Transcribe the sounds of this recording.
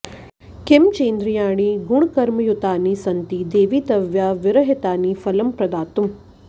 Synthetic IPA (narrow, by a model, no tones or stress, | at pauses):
kɪmt͡ʃeːnd̪ɾijaːɳ̃iɡuɳ̃kɐɾmɐjut̪aːnisɐnt̪id̪eːʋiːt̪ɐʋjaːʋɪɾɐɦit̪aːniːfɐlɐmpɾɐd̪aːt̪um